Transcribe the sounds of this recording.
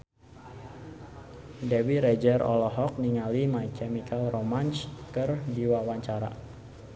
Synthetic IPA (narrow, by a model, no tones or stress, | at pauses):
dɛwiɾed͡ʒɛrʔɔ̰lɔɦɔk̚niŋalimajkʰɛmikalromanskɨrdiwawaɲt͡ʃaɾa̰